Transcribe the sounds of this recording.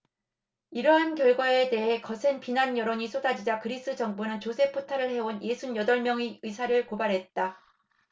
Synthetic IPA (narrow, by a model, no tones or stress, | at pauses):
iɾʌɦankjʌɭɡwae̞de̞ɦe̞kʌsʰe̞npinanjʌɾoɲisʰodad͡ʑid͡ʑakɯɾis͈ɯd͡ʑʌŋbunɯnt͡ɕosʰe̞pʰotʰaɾɯɭhe̞onje̞sʰunjʌdʌɭmjʌŋiɯsʰaɾɯɭkobaɾɦe̞t̚t͈a